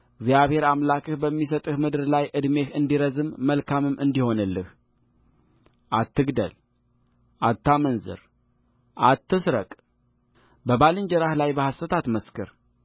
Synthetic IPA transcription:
ɪɡzjaβhe̞ɾamlakʰɨhbəmːis̬ət̪ʼɨhmɨd̪ɨɾlajʔɨd̪me̞hɨnd̪iɾəzɨmːəlkʰamɨmːʔɨnd̪iho̞nɨlːɨh | ʔat̪ʰːɨɡd̪ə̰l | ʔat̪ʰːamənzɨ̰ɾ | ʔat̪ːɨsɾə̰kʼ | bəbalɨnd͡ʒəɾahlajbəhast̪ət̪ʰat̪məskɨ̰ɾ

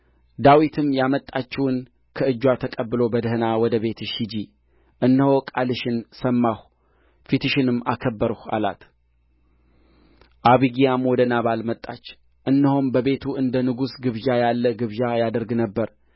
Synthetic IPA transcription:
d̪awit̪ʰɨmːjamət̪ʼːat͡ʃːɛwn | kʰəɨd͡ʒːwat̪ʰəkʼəbːɨlo̞bəd̪ɨhɨnawɔd̪əβe̞t̪ʰɨʃid͡ʒi | ʔɨnːəhokʼalɨʃɪnsəmːah | fit̪ɨʃɪnɨmːakʰəbːəɾha̰la̰t̪ | ʔaβiɡijamwɔd̪ənaβalmət̪ʼːa̰t͡ʃː | ʔɨnːəhombəβe̞t̪ʰuʔɨnd̪ənɨɡusɡɨβjajalːəɡɨβjajad̪əɾɡnəbːəɾ

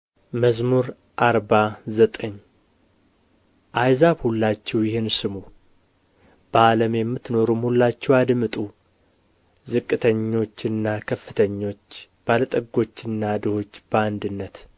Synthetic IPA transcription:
məzmuɾ | ʔaɾbazət̪ʼəɲː | ʔajzaβhulːat͡ʃːɛwjɪhɪnsɨmu | b̥əaləmjɛmːɨt̪no̞ɾumhulːat͡ʃːɛwad̪mɨt̪ʼu | zɨkʼːɨt̪ʰəɲːo̞t͡ʃːɨnːakʰəfːɨt̪ʰəɲːo̞t͡ʃː | b̥alət̪ʼəɡo̞t͡ʃːɨnːad̪ɨho̞t͡ʃːb̥əand̪ɨnːət̪

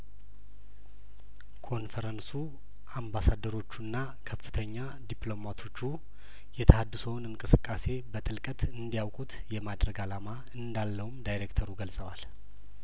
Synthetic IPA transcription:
kʰo̞nfəɾənsu | ambasad̪ːəɾo̞t͡ʃːuɨnːa | kʰəfːɨt̪ʰəɲːa | d̪iplo̞mat̪ʰo̞t͡ʃːu | jɛt̪ʰəhad̪ːɨsownɨŋkʼɨsɨkʼːase̞bət̪ʼɨlkʼət̪ɨnd̪ijawkʼut̪jɛmad̪ɾəɡalama | ɨnd̪alːəwumd̪ajɾekt̪ʰəɾuɡəlsʼəwal

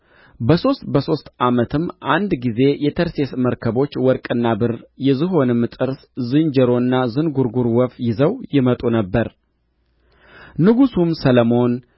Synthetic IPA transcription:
bəso̞st̪bəso̞st̪ʔamət̪ʰɨmːʔand̪ɡize̞jɛt̪ʰəɾse̞sməɾkʰəbo̞t͡ʃːwɔɾkʼɨnːabɨɾjɛzɨɦo̞nɨmːt̪ʼɨɾszɨnd͡ʒɛɾo̞ɨnːazɨnɡuɾɡuɾwɔfjɪzəwjɪmət̪ʼunəbːəɾ | nɨɡusumsələmo̞n

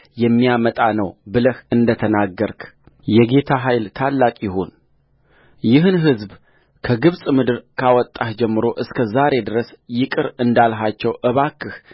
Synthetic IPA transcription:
jɛmːijamət̪ʼanəwbɨləhɨnd̪ət̪ʰənaɡːəɾkʰ | jɛɡe̞t̪ʰaɦajlt̪ʰalːakʼjɪɦon | jɪɦɨnɦɨzb | kʰəɡɨβsʼmɨd̪ɨɾkʰawɔt̪ʼːahd͡ʒɛmːɨɾo̞ʔɨskʰəzaɾe̞d̪ɨɾəsjɪkʼɨɾɨnd̪alɦat͡ʃːɛwʔəβakʰːɨh

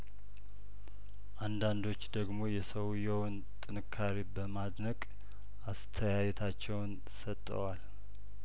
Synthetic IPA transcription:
ʔand̪and̪o̞t͡ʃːd̪əɡmo̞jɛsəwjəwn | t̪ʼɨnɨkʰːaɾibəmad̪nəkʼ | ʔast̪ʰəjajɛt̪ʰat͡ʃːɛwn | sət̪ʼːə̰wal

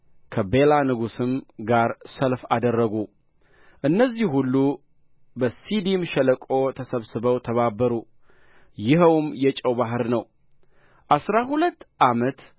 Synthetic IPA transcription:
kʰəbe̞lanɨɡusɨmɡaɾsəlfad̪ərːəɡu | ʔɨnːəzːihhulːu | bəsid̪imʃɛləkʼot̪ʰəsəβsɨbəwt̪ʰəβabːəɾu | jɪɦəwmjɛt͡ʃʼəwbaɦɨɾnəw | ʔasɾaɦulət̪ːʔamət̪

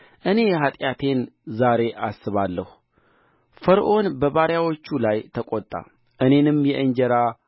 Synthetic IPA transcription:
ʔɨne̞jɛɦat̪ʼjat̪ʰe̞nzaɾe̞ʔasːɨβalːəhu | fəɾʔo̞nbəβaɾjawo̞t͡ʃːulajt̪ʰəkʼot̪ʼːa̰ | ʔɨne̞nɨmjɛʔɨɲd͡ʒəɾa

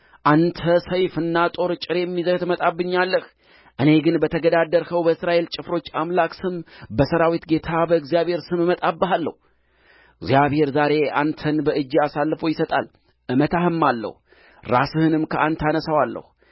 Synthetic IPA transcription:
ʔant̪ʰəsəjfɨnːat̪ʼo̞ɾt͡ʃʼɪɾejɛmːizəht̪mət̪ʼabːɨɲːalːəh | ʔɨne̞ɡɨnbət̪ʰəɡəd̪ad̪ːəɾsəwbəɨsɾaʔe̞lt͡ʃʼɪfɾo̞t͡ʃːamlaksɨmbəsəɾawit̪ɡe̞t̪ʰabəɨɡzijaβhe̞ɾsɨmmət̪ʼabːəɦalːə̰h | ɨɡzijaβhe̞ɾzaɾe̞ʔa̰nt̪ʰənbəʔɨd͡ʒːiasalːfo̞jɪsət̪ʼa̰l | ʔɨmət̪ʰahɨmːalːə̰hu | ɾasɨhɨnɨmkʰəʔant̪ʰanəsawalːə̰h

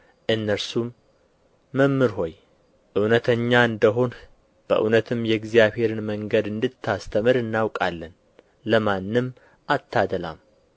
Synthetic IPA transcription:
ʔɨnːəɾsumː | əmːɨɾɦo̞j | ʔɨwnət̪ʰəɲːaɨnd̪əɦo̞n | b̥ə̰ʔṵnət̪ʰɨmjɛɡzijaβhe̞ɾɨnməŋɡəd̪ɨnd̪ɨt̪ʰːast̪ʰəmɨɾɨnːawkʼalːən | ləmanːɨm | ʔat̪ʰːad̪əla̰m

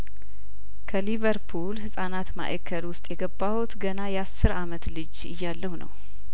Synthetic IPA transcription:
kʰəlivəɾpʰulhɨsʼanat̪ma̰ʔə̰kʰːəlwʊst̪ʼjɛɡəbːawut̪ɡənajɛasːɨɾamət̪lɨd͡ʒ | ɨ̰jːalːəhunə̰w

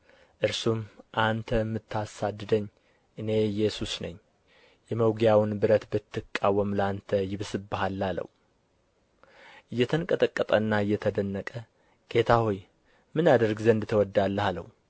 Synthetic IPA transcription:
ʔɨɾsumʔant̪ʰəmːɨt̪ʰːasad̪ːɨd̪əɲː | ʔɨne̞jɛsusnəɲː | jɛməwɡjawnbɨɾət̪bɨt̪ːɨkʼːawːəmlant̪ʰəjɪβsɨbːɨɦalːalə̰w | ʔɨjːɛt̪ʰənkʼət̪ʼəkʼːət̪ʼənːaɨjːɛt̪ʰəd̪ənːəkʼə | ɡ̥e̞t̪ʰahoj | mɨnad̪əɾɡzənd̪t̪ʰəwɔd̪ːalːəhalə̰w

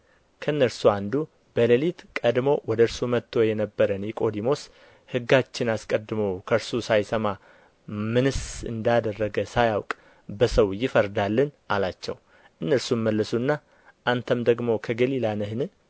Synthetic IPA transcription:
kʰəɨnːəɾsuand̪u | b̥ələlit̪kʼəd̪mo̞wɔd̪əɾsumət̪ʰːo̞jɛnəbːəɾənjɛkʼo̞d̪imo̞s | hɨɡːat͡ʃːɪnaskʼəd̪ːɨməwkʰəɾsusajsəma | mɨnɨsɨ̰nd̪ad̪ərːəɡəsajawkʼ | bəsəwjɪfəɾd̪alːɨn | alat͡ʃːɛ̰w | ʔɨnːəɾsunməlːəsuɨnːa | ʔant̪ʰəmd̪əɡmo̞kʰəɡəlilanɨhɨnɨ

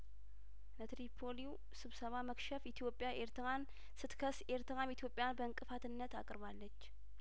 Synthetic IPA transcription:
nət̪ɾipʰo̞liw | sɨβsəβaməkʃɛfit̪ʰjo̞pʼːjaʔeɾt̪ɾan | sɨt̪kʰəseɾt̪ʰɨɾamit̪jo̞pʼːjanbəɨŋkʼɨfat̪ɨnːət̪akʼɨɾβalːət͡ʃː

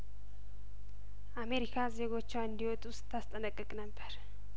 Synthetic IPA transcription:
ʔame̞ɾikʰaze̞ɡo̞t͡ʃːwaɨnd̪iwɔt̪ʼwʊst̪ʰːast̪ʼənəkʼːəkʼnəbːəɾ

